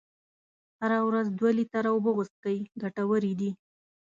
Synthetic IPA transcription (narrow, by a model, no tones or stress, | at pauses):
haɾawɾazd̪walit̪aɾawʊbəɣʊst̪̚kawiɡaʈawəɾid̪i